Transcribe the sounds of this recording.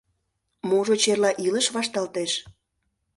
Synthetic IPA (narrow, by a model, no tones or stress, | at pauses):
moʒot͡ɕerlɑʔiləʃβɑʃt̪ɑlt̪eʃ